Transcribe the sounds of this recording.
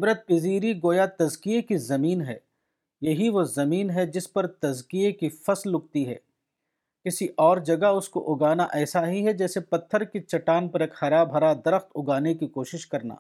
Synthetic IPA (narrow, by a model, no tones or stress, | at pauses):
ɪbɾət̪̚pɪziːɾiɡoːjat̪ɐzkiekizɐmiːnɦɛ̰ː | jɐɦiʋozɐmiːnɦɛd͡ʒɪspɐɾt̪ɐzkiekifɐslːʊk̚t̪iɦɛ̰ː | kɪsiʔɔːɾd͡ʒɐɡaʊsko̰ʔʊɡaːnaʔɛːsaɦiɦɛd͡ʒɛːsepɐt̪ʰːəɾkit͡ʃɐʈaːnpɐɾeːkxɐɾaːbʱɐɾad̪ɐɾəxt̪ʊɡaːnekikoːʃɪʃkɐɾna̰ː